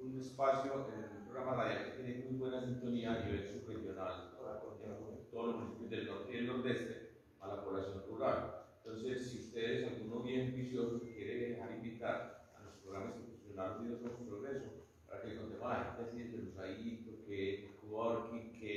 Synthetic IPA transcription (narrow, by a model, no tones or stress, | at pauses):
une̞spasjo̞ʔenelumpɾo̞ɣɾamaraðjalket̪jeneŋmujβwe̞nasint̪o̞niaːniβ̞e̞lsuprexjo̞nalo̰ɾakont̪emakoet̪oðolosmunisipjozd̪e̞lnoɾt̪eeld̪ond̪e̞st̪e | alapo̞βlasjo̞nruβɾalet̪o̞nse̞sːiust̪e̞ðesalɡuno̞βje̞mbisjo̞sokkje̞ɾeðehaɾimbit̪aɾa̰lo̞spɾoɣɾamaskefusjonalosiðosomopɾoɣɾe̞so | paɾa̰kelkond̪emat̪asiend̪elosajit̪okeelkuɣaaoɾkikʰe